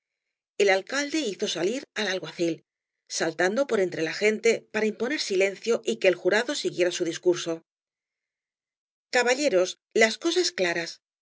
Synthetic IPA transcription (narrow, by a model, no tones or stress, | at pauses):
e̞lalkald̪e̞iθo̞saliɾalalɣwaθil | salt̪and̪o̞po̞ɾe̞nt̪ɾe̞laxe̞nt̪e̞paɾaimpo̞ne̞ɾsile̞n̟θjo̞ʔike̞ːlxuɾaðo̞siɣje̞ɾasuðiskuɾso̞ | kaβaʎe̞ɾo̞s | lasko̞sasklaɾas